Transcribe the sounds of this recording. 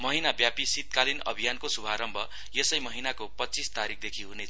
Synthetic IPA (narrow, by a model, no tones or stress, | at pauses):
mʌɦinabjapisit̪̚kalinʌ̰bʱijankosubʱaɾʌmbʱʌ | jesʌjmʌɦinakopʌtːt͡sist̪aɾik̚ʰd̪ekʰiɦunet͡sʰ